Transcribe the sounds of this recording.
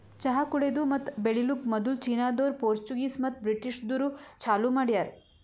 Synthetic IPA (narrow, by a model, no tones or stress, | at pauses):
t͡ʃɐɦakuɽed̪umɐt̪beɭilukmɐd̪ult͡ʃiːnaːd̪oːɾpoːɾt͡ʃuɡiːsmɐt̪bɾiʈiʂd̪uɾut͡ʃʰaːlumaːɽijaːɾ